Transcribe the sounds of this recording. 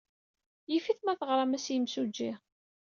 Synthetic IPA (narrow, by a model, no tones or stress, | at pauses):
jifiθmæθəʁɾˤɑmæsjəmsud͡ʒːi